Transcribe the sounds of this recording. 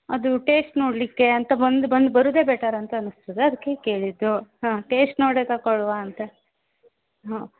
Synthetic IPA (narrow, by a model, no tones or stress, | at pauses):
ɐd̪uʈe̞ːsʈno̞ːɽlikːeɐnt̪ɐbɐnd̪bɐnd̪bɐɾuːd̪e̞ːbɛːʈaːɾɐnt̪ɐːnɨst̪ɐd̪eɐd̪ikːeke̞ːɭid̪ːuɦãːʈeːsʈnoːɽeːt̪ɐkɐɭʋaɐnt̪ɐ | ɦãː